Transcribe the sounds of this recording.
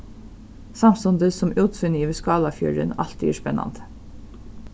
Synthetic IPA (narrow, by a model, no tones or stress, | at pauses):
sɑmsɔnd̪əsɔmʔʉːt̪fʏnjiːʋəskɑːlɑfjʉ̰ɹə̰nɑ̰lt̪æ̰ːʂpɛnɑ̰nd̪